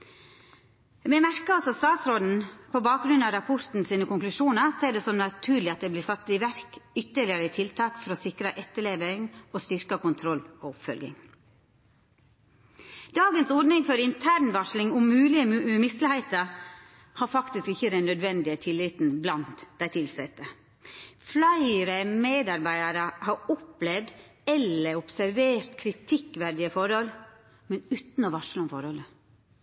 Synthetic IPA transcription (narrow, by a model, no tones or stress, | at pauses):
mɛmæɾkəɑlsɔɑt̪st̪ɑːt̪sɾoːd̪n̩pʰoːbɑːk̚ɡɾʉnɑːɾɑpʰɔɾt̪n̩siːnəkʊŋklʉʃuːnəɾseːɖeːsɔmnɑt̪ʰʉːɾlɪɑt̪̚d̪ɛːbliːsɑt̪ːiːʋæɾkʏt̪ːəɭɪəɾət̪ʰɪlt̪ʰɑːkfɔɾoːsɪkɾəʔɛt̪ːəɭeːʋəŋoːst̪ʏɾkəkʊnt̪ʰɾɔlːoːʊpfœ̰lɡɪ̰ŋ | d̪̥ɑːɡənsɔɾɖnɪŋfɔɾɪnt̪ʰæːɾɳʋɑʂlɪŋʊmːʉːlɪəmɪst̪ləhæɪt̪əɾ | hɑːɾfɑkt̪ɪskɪçːəd̪ɛnːœd̪ʋɛnd̪ɪət̪ʰɪlːɪt̪n̩blɑnt̪d̪æɪt̪ʰɪlsɛt̪ːə | flæɪɾəmeːd̪ɑɾbæɪəɾəhɑɾɔplɛʋd̪ | ɛləɾʊpsæɾʋeːɾt̪kʰɾɪt̪ʰɪkʋæɾd̪ɪəfɔɾhɔl | mɛnʉːt̪n̩ɔʋɑʂləɔmfɔɾhɔlə